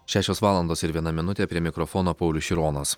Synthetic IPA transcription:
ʃʲæːʃʲoːsʋɑːlˠɐnd̪oːsɪɾʋʲiɛnɐmʲɪnʊt̪ʲepʲɾʲiɛmʲɪkɾɔfɔnoːpɐʊlʲʊʃʲɪɾoːnɐs

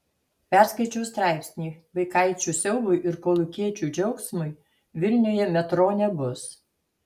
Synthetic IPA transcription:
pʲɛɾskɐɪt͡ʃʲɛʊst̪ɾɑˑɪpʲsʲnʲiːʋɐɪkɑˑɪt͡ʃʲuːˑsʲɛʊʋʊjʔɪɾkoːlˠʊkʲiɛt͡ʃʲuˑd͡ʒʲɔʊksmʊj | ʋʲɪlʲnʲoːjɛmʲɛt̪ɾoːnʲɛbʊs

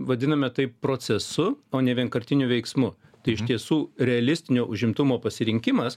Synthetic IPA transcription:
ʋɐd̪ʲɪnɐmʲɛt̪ɐɪppɾoːt͡ssʲɛsʊoːnʲɛʋʲiɛnkɐɾʲt̪ʲɪnʲʊʋʲɛɪksmʊ | t̪ɐɪɪʃt̪ʲiɛsuːɾʲɛɐlʲɪsʲt̪ʲɪnʲoːʔʊʒʲɪmt̪ʊmoːpɐsʲɪɾʲɪŋʲkʲɪmɐs

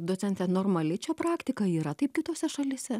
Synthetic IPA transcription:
d̪oːt͡ssʲɛnʲt̪ʲɛnoːrmɐlʲɪt͡ʃʲɛpɾɑːkt̪ʲɪkɐiːɾɐt̪ɐɪp̚kʲɪt̪oːsʲɛʃɐlʲɪːsʲɛ

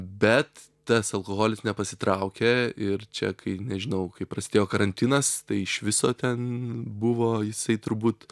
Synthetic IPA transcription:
bʲɛt̪ | t̪ɐsɐlˠkoːɣoːlʲɪsnʲɛpɐsʲɪ̥t̪ɾɐʊkʲeːɪɾt͡ʃʲɛ̰kʰɐɪnʲɛʒʲɪnɐʊkɐɪpɾɐsʲɪd̪ʲeːjoːkɐɾɐnʲt̪ʲinɐst̪ɐɪɪʃʋʲɪsoːt̪ʲɛnbʊʋoːjɪsɐɪt̪ʊɾbuːt̪

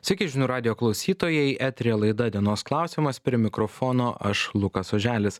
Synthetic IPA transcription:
sʲɐkʲɪʒʲɪnuːɾɑːd̪ʲɪjoːklˠɐʊsʲiːt̪oːjɛɪʔæt̪ʲɾʲeɛlˠɐɪd̪ɐd̪ʲiɛnoːsklˠɑˑʊsʲiːmɐspʲɾʲɪɛmʲɪkɾofoːnoːʔɐʃlˠʊkɐsoːʒʲæːlʲɪs

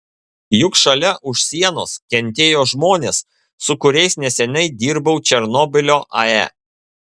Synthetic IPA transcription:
jʊkʃɐlʲɛʔʊʃʲsʲiɛnoːskʲɛnʲt̪ʲeːjoːʒmoːnʲeːsː | ʊkʊɾʲɛɪsnʲɛsʲɛnʲɛɪd̪ʲiːɾbɐʊt͡ʃʲɛɾnɔːbʲɪlʲoːʔɐ̰ɛ̰

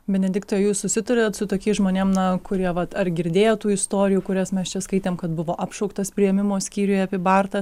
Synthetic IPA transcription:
bʲɛnʲɛd̪ʲɪkt̪oːjɛjuːssʊsʲɪt̪ʊɾʲoːt̪sʊt̪oːkʲiːsʒmoːnʲeːmnɐkʊɾʲiɛʋɐt̪ɐɾɡʲɪɾʲd̪ʲeːjɛt̪uːɪst̪oːɾʲɪjuːkʊɾʲɛsmʲɛst͡ʃʲɛskɐɪt̪ʲeːmkɐt̪bʊʋoːʔɑpʃɔʊkt̪ɐspʲɾʲɪjɛmʲɪmoːsʲkʲiːɾʲʊjɛɐpʲɪbɑːrt̪ɐ

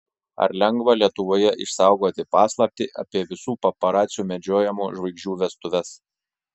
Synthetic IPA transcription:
ɐ̰ɾlʲɛŋɡʋɐlʲiɛt̪ʊʋoːjɛʔɪ̰ʃsɑˑʊɡoːt̪ʲɪpɑːslˠɐp̚ʲt̪ʲɪʔɐ̰pʲiɛʋʲɪsuːpɐpɐɾɑːt̪sʲɪjuːmʲɛd͡ʒʲoːjɛmuːʒʋɐɪɡʒʲuːʋʲɛst̪ʊʋʲɛs

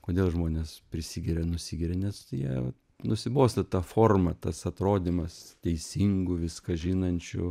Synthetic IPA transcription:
koːd̪ʲeːlˠʒmoːnʲeːspʲɾʲɪsʲiɡʲɪɾʲɛnʊsʲiɡʲɪɾʲenʲɛsjiɛʋɐ | nʊsʲɪboːsʲt̪ɐt̪ɑfoːrmɐt̪ɐsɐt̪ɾoːd̪ʲiːmɐst̪ʲɛɪsʲiŋɡʊʋʲɪskɐʒʲɪnɐnʲt͡ʃʲʊ̰

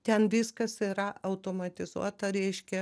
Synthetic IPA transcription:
t̪ʲɛnʋʲɪskɐsiɾɐʔɐʊt̪oːmɐt̪ʲɪzṵɔt̪ɐɾʲɛɪʃʲkʲɛ

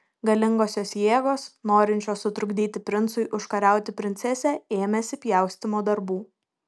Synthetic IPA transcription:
ɡɐlʲɪŋɡoːsʲoːsjeːɡoːsnoːɾʲɪnʲt͡ʃʲoːsːʊt̪ɾʊɡd̪ʲiːt̪ʲɪpʲɾʲɪnt̪sʊɪʔʊʃkɐɾʲæˑʊt̪ʲɪpʲɾʲɪnʲt̪sʲɛsʲɛeːmʲɛsʲɪpʲjɛˑʊsʲt̪ʲɪmoːd̪ɐɾbuː

